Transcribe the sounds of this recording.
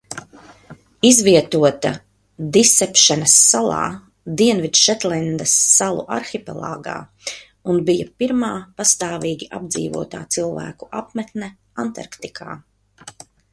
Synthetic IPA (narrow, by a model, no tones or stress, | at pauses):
izviɛt̪uɔt̪a | d̪isːɛpʃɛnɐsːalˠɑ̰ː | d̪iɛnvid̪ʃɛt̪lɛnd̪ɐsːalˠṵʔaɾxipɛ̰lˠa̰ːɡa̰ː | unbijapiɾmaːpast̪aːviːɡʲiʔa̰b̚d̪zḭːvṵɔt̪a̰ːt̪silˠvæ̰ːku̥ʔapmɛt̪nɛ | ant̪a̰ɾkt̪ikʰa̰ː